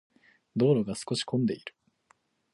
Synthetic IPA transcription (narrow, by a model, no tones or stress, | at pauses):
d̪o̞ːɾo̞ɡasɨ̥ko̞ɕi̥kʰõ̞nd̪e̞iɾɯ̟